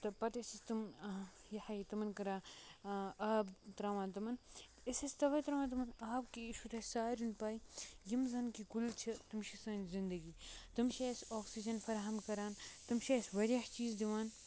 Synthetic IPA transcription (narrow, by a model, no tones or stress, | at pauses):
t̪ɐpɐt̪isisʲt̪ɨmjɐħɐit̪ɐmɐnkɐɾaː | aːbt̪ɾaːʋaːnt̪ɐmɐn | isɐsʲt̪ɐʋɐjt̪ɾaʋaːnt̪̬ɐmɐnaːbkiʃut̪ʰɐsaːɾʲinpaːjjimzɐnkikult͡ʃʰit̪umʃisɐːnzind̪ɐɡiːt̪ɨmʃesoːksid͡ʒɐnfɐɾɦɐmkɐɾaːnt̪ɨmʃesʲʋɐɾʲɐħt͡ʃiːzd̪iʋaːn